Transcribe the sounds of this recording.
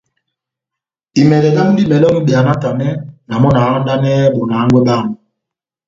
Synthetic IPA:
i˨mɛ˨dɛ˨ɗa˦m˦di˦mɛ˨lɔ˦ŋ̩˦ɓi˨a˨na˦ta˨nɛ˦na˨mɔ˦na˨˦ɔ˦da˦nɛ˦ɓɔ˨na˨˦ŋɡwɛ˦ɓa˦˨ŋ˨

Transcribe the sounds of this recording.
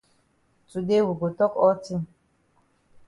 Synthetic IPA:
t͡sʼu˨de˦wu˨ɡo˨tɔ˦kʼɔ˦tʰi˦

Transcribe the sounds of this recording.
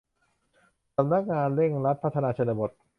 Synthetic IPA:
sa˧˦mna˦˥k̚ŋaː˧nɾe˥˩ŋɾa˦˥t̪̚pʰa˦˥t̪ʰːa˧naː˧t͡ɕʰa˧na˧bo˨˩t̪̚

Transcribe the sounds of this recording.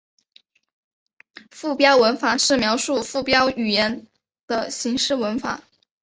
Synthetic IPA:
fu˥˩pjɑ˥ʊwə˧˥nfa˨˩˦ʂɻ̩˥˩mjɑ˧˥ʊʂu˥˧fu˥˩pjɑ˥ʊy˨˩jɛ˧˥n | d̪̥ə˧ɕi˧˥ŋʂɻ̩˥˩wə˧˥nfa̰˨˩˦

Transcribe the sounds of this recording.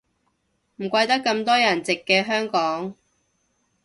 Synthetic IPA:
m̩˨˩kʷɐ˧jt̪ɐ˥kːɐ˧mt̪ɔː˥jɐ˨˩nt͡sɪ˨kːɛː˧ɦœː˥ŋkɔː˨˥ŋ

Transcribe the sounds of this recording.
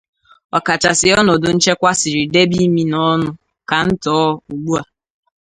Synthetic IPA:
ɔ˨ka˨t͡ʃa˨sɪ˨ɔ˦nɔ˨dʊ˨n̩˦t͡ʃe˦kʷa˦si˨ɾi˨de˦bi˦mi˦nɔ˦nʊ˦ | ka˨n̩˦tɔː˨˦u˨ɡ͡bu˦a˨

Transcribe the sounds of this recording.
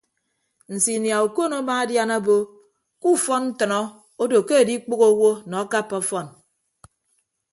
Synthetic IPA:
n̩˨si˨nja˨u˨ko˦no˦ba˦a˦dja˦na˦bo˦ | ku˦˨fɔ˦nn̩˦tɔ˨nɔ˦ | o˦do˨ke˦e˨di˦k͡po˦ɣo˦wo˦nɔ˨a˦ka˦pːɔ˦fɔ˦˨n

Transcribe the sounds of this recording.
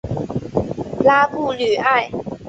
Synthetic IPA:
laː˥kuː˥˩lyː˨˩˦ʔa˥˩j

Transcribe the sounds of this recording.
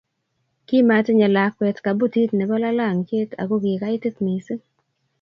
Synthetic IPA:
ki˦ma˨te˦ɲa˨la˨kwɛ˨tka˨bu˦ti˦tnɛ˨bɔ˦la˦la˦˨ŋt͡ʃe˦tʰa̰˨ɡo˦ɡɪ˨ka˦ɪ˦tɪ˦t̪mi˨si˦

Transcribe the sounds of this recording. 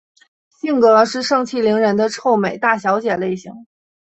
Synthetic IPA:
ɕi˥˩ŋkɤ˧˥ʂɻ̩˥˧ʂɤ˥˧ŋt͡ɕʰi˥˩li˧˥ŋɻə˧˥nd̪ə˧ʈ͡ʂʰo˥˩ʊme˨˩ɪt̪a˥˩ɕjɑ˧˥ʊt͡ɕjɛ˨˩le˥˩ɪɕi˧˥ŋ

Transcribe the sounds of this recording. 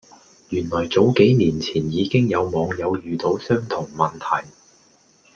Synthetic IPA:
jyː˨˩nlɔː˨˩jt͡so˨˥wke˨˥jniː˨˩nt͡sʰiː˨˩njiː˨˧kɪ˥ŋjɐ˨˧wmɔː˨˧ŋjɐ˨˧wjyː˨˧t̪o˨˧˥wsœː˥ŋt̪ʰʊ˨˩ŋmɐ˨nt̪ʰɐ˨˩j

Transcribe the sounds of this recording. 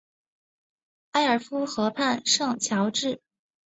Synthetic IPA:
a˥ɪə˞˨˩fu˥xɤ˧˥pʰa˥˧nʂɤ˥˩ŋt͡ɕʰjɑ˧˥ʊʈ͡ʂɻ̩˥˩

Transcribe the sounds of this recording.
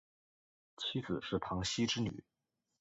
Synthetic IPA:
t͡ɕʰi˥d͡zɹ̩˨˩ʂɻ̩˥˩pʰɑ˧˥ŋɕi˥ʈ͡ʂɻ̩˥ny̰˨˩˦

